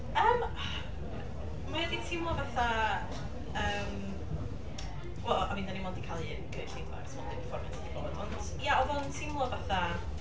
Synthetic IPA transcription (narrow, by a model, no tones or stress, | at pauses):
əːm | mahɛditʰɪmlˠɔvaθa | əːm | wɛlˠamiːndanimɔndikʰalˠiənɡ̥əɬejdwa̰rsʰmɔndɪnifɔrmatʰadibo̰ːdɔnd̥ | jaɔðɔntʰɪmlˠɔvaθa